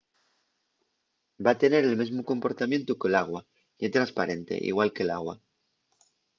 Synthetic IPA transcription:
bat̪e̞ne̞ɾelmezmokõ̞mpo̞ɾt̪amjẽ̞nt̪ukelaɣ̞wa | jet̪ɾanspaɾe̞nt̪e̞̰ʔḭɣwalkela̰ɣwa

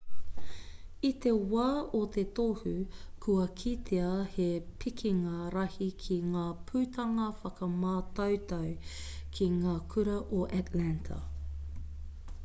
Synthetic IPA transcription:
it̪e̞waːot̪et̪ohʉkʰuɐkʰit̪ʰeɐhepʰikʰiŋɐɾɐhikʰiŋaːpʰʉːt̪ʰɐŋɐfɐkɐmaːt̪ɐwt̪ɐwkʰiŋaːkʰʉɾɐʔoʔæt̪læntʰɐ̰

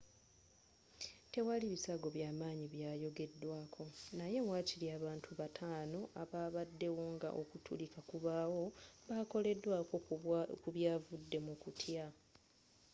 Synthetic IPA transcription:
te̞waliβisaɡo̞βjaːmaːɲiβjaːjo̞ɡe̞dːwaːkʰo̞naje̞mwaːciliaːβaːntʰuβatʰaːno̞aβaːβadːe̞wo̞ŋɡa̰ʔokutʰṵlikakuβaːwo̞βako̞le̞dːwaːkokuβjaːvudːe̞mukutʰja

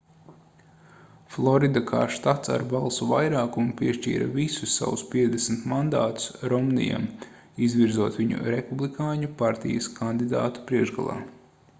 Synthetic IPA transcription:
flˠɔɾid̪aka̰ːʃt̪at̪sa̰ɾbalˠsuvajɾaːkumupʲiɛʃt͡ʃḭːɾa̰visusːa̰wuspʲiɛd̪ʲɛsmt̪mand̪aːt̪u̥sɾɔmnḭja̰m | izʋiɾzuɔt̪ʋʲiɲṵɾepublˠikaːɲupaɾt̪ijəskand̪id̪a̰ːt̪u̥pɾiɛʒɡa̰lˠa̰ː

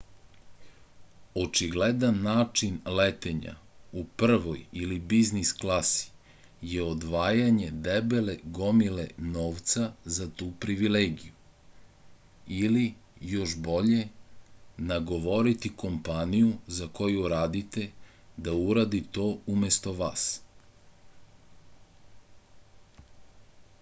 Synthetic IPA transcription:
o̞t͡ʃiɡled̪anːaːt͡ʂinlet̪eɲa̰upr̩ʋojilibiznisklˠasi̥ | jeo̞d̪ʋaːjaɲe̞d̪ebeleɡo̞mileno̞ːʋt̪sazat̪uːpɾiʋileːɡiju | ilijo̞ʃbo̞ʎe̞ | naɡo̞ʋo̞ɾit̪iko̞mpanijuzako̞juɾaːd̪it̪e̞ | d̪auɾad̪it̪o̞ːume̞st̪o̞ʋas

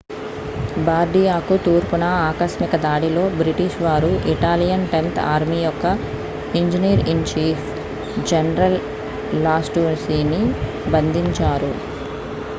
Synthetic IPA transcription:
baːɾɖijaːkut̪uːɾpunɐaːkɐʃmikɐd̪aːɽilo̞ːbɾiʈiʃʋaːɾuʔiʈaːlijɐnʈe̞nt̪ʰa̰ːɾmijɔkːɐ | iɲd͡ʒiniːɾiɳt͡ʃiːpʰ | d͡ʒenɐɾɐlː | aːsʈuːnsiːni | bɐnd̪ʱiɲt͡ʃaːɾu

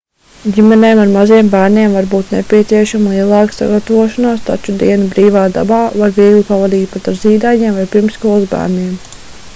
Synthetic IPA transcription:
ɟimɛnɛːmaɾmaziɛmbæːɾniɛmvaɾbuːt̪nɛpʲiɛt̪siɛʃamlˠiɛlˠɑːksa̰ɡat̪avoɔʃanaːst̪a̰t͡ʃud̪iɛnibɾiːʋɑːd̪a̰bɑːvaɾviɛɡlʲipavad̪iːt̪̚pat̪aɾziːd̪aːɲiɛmvajpiɾmsskuɔlˠzbæ̰ːɾniɛm

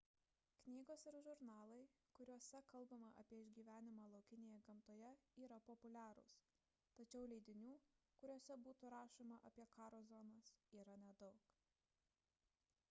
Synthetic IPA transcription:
knʲiːɡoːsɪɾʒʊɾnɑːlˠɐɪ | kʊɾʲuɔsʲɛkɐlˠbɐmɐʔɐ̰pʲiɛɪʒʲɡʲiːʋʲæːnʲɪmɑːlˠɐʊkʲɪnʲeːjɛɡɐmt̪oːjɛiːɾɐpɔpʊlʲæːɾʊ̰s | t̪ɐt͡ʃʲɛʊlʲɛɪd̪ʲɪnʲuː | kʊɾʲuɔsʲɛbuːt̪uɾɑːʃoːmɐʔɐpʲiɛkɑːɾoːzonɐsiːɾɐnʲɛd̪ɒʊk

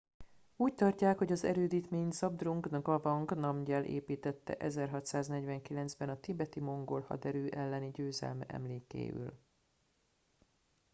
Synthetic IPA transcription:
uːc̚t̪ɒrcaːkho̞ɟɒzɛ̰ɾøːd̪iːt̪meːɲsɒb̚d̪ruŋɡnɡɒvɒŋɡnɒmɟɛlʔḛːpiːt̪ɛt̪ːɛ̰ʔɛzɛrɦɒt̪saːznɛɟvɛŋkilɛnzbɛnɒt̪ibɛt̪imo̞ŋɡolhɒ̰d̪ɛɾøːʔɛlːɛniɟøːzɛ̰lmɛ̰ʔɛ̰mleːkḛːy̰l

